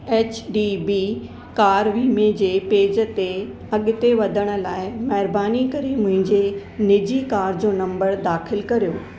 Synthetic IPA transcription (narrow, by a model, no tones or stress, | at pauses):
ɛːt͡ɕɖibiː | kaːɾʋiːmẽd͡ʑeːpeːd͡ʑə̆t̪e | ɐɠɪt̪eʋɐd̪ʱəɽ̃ə̆laːɪmɐɦɪɾbaːnikɐɾimʊ̃ɦɪ̃ɲd͡ʑenɪd͡ʑikaːɾd͡ʑoːnɐ̃mbəɾd̪aːxɪlkɐɾijoː